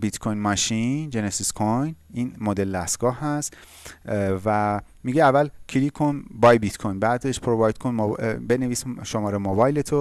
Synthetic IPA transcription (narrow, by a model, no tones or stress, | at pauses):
bit̪kʰojnmɒʃind͡ʒenesiskʰojniːnmod̪eld̪æst̪ɡ̥ɒːɦhæs | væ | miɡeævːælkʰilikʰonbɒːjbit̪kʰojnbæd̪eʃpʰɾovɒjd̪̥̚kʰonmobe̞neviːsʃomɒːɾemobɒːjlet̪ʰo